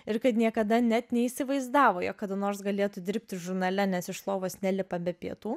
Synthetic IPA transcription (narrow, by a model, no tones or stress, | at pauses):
ɪɾkɐt̪nʲiɛkɐd̪ɐnʲɛt̪nʲɛisʲɪʋɐɪzd̪ɑːʋoːjoːkːɐd̪ɐnoːrsɡɐlʲeːt̪ud̪ʲɪɾʲp̚ʲt̪ʲɪʒʊɾnɐlʲɛnʲɛsɪʃslˠoːʋoːsnʲɛlʲɪpɐbʲɛpʲiɛt̪uː